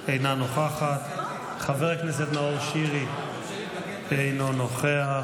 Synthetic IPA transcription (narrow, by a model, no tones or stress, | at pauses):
ejnanoχaχat̪ | χaveʁknes̬et̪maoʁʃiʁi | ejnonoχea